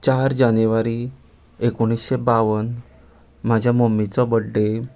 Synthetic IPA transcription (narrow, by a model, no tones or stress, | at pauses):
t͡ɕaɾd͡ʑanjuʋaɾi | ekoɳ̃isɕebaʋən | mad͡ʑʱjamomit͡sɔbəɖːe